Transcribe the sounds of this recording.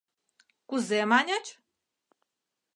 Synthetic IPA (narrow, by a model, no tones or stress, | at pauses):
kuzemanʲat͡ʃ